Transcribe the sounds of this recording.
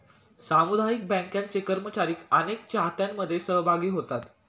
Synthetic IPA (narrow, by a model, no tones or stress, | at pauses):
samud̪ʱajik̚bɛ̃ŋkjãnt͡sekəɾmət͡ɕaɾiːkənek̚t͡ɕaɦt̪jamːəd̪ʱːjesəɦbʱaɡiːɦot̪at̪